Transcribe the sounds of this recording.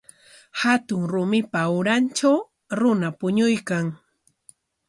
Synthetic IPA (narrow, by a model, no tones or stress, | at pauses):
hat̪ʊŋɾʊmɪpawɾant͡ʃaw | ɾʊnapʊɲʊjkaŋ